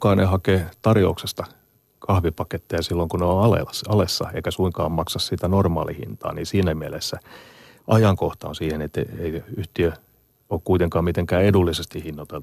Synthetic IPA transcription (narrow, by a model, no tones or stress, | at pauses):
kɑːnehɑkeːt̪ɑrjo̰uksest̪ɑ | kʰɑhʋipɑket̪ːeɑsilːoŋkuneoɑlḛɑlesːɑ̰eikæsuiŋkɑːmmɑksɑssit̪ænormɑ̰ːlihḭnt̪ɑ̰ːniːsiːnæmielesːæ | ʔɑjɑŋkoht̪ɑ̰onsiːhenet̪ːḛeiyht̪iø | oːkkuit̪eŋkɑːmmit̪eŋkæːedulːisest̪ihinːot̪el